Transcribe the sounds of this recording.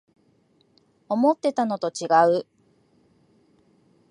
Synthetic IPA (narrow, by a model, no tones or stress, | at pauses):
o̞mo̞t̪ːe̞t̪ano̞t̪o̞t͡ɕiɡaɯ̟